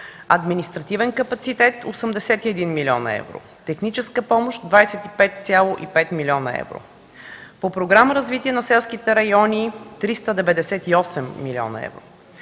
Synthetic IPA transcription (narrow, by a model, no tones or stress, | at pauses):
ɐ̰d̪minist̪ɾɐt̪ivɛnkɐpɐt̪sit̪ɛt̪osəmd̪ɛsɛt̪iɛd̪inmilʲiɔ̰nə̰ɛ̰vɾo̰ | t̪ɛxnit͡ʃɛskəpɔmoʃt̪d̪vajsɛt̪ipɛt̪̚t̪sʲjalˠoʔipɛt̪milʲiɔnə̰ɛ̰vɾo̰ | popɾoɡɾaməɾɐzvit̪iɛnɐsɛlˠsk̟it̪ɛɾɐjɔnit̪ɾist̪əd̪ɛvɛd̪ɛsɛt̪iɔsɛmːilʲiɔ̰nɐ̰ɛ̰vɾo̰